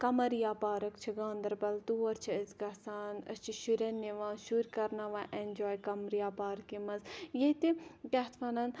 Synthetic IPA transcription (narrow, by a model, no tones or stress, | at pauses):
kɐmɐɾjaːpaːɾɐkt͡ʃʰiɡãːnd̪ɐɾbɐlt̪uɐɾt͡ʃʰiɐzɡɐsaːnɐ̰st͡ʃʰiʃuɾʲɐnːiʋãːʃuɾʲkɐɾnaʋãːʔend͡ʒoːjkɐmɾjaːpaːɾkimɐzjet̪ikɐɦt̪ʰʋɐnɐn